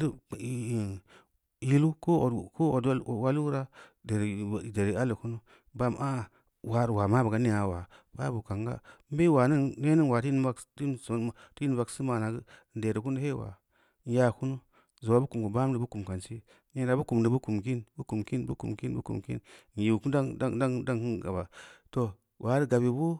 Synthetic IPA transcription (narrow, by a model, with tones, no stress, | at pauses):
ji˦lu˦ko˦˨ko˦o˨dwa˦lu˦ɾa˦de˨ɾde˨ɾi˨a˦li˨ku˦nu˦ | ba˦˨mʔa˦˨ | wa˨ɾwa˨ma˦bə˨ɡa˨˦ni˨a˨wa˨b̥a̰˦bu˨ka˨ŋɡa̰˦m˦be˦wa˨ni˦ne˦ni˦n˨wa˨ti˦n˦a˦kti˦so˨ti˦n˨va˨ksi˦ma˨na˨ɡə˦˨n˨de˨ɾi˨ku˦n˦he˦wa̰˨ | n˦ja˦˨ku˦nu˦ | zo˨wa˨bu˦ku˨mku˨ba˦m˦də˨bu˦ku˨mka˨nt͡ʃi˦ | e˦ɾa˨bu˦ku˨mdə˨bu˦ku˨mk̬i˦nbu˦ku˨mki˦nbṵ˦kṵ˨mki˦nbu˦kṵ˨mkḭ˦nn˨ji˨u˨ku˦a˦da˦ŋki˦ɡa̰˨ba˨to˦ | wʔa˨˦ɾi˦ɡa˨bi˨bu˦